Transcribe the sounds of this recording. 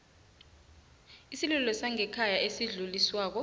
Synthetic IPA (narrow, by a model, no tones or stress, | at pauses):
isilulɔsaŋɛkʰajaʔesiɮuliswaːk̬ɔ